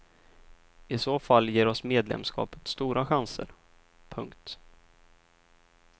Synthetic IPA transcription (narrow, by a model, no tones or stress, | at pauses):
ɪsoːfalːjeːɾɔsmeːd̪lɛ̰mskɑ̰ːpə̥t̪st̪uːɾaɧansə̰ɾ | pʰɵŋkt̪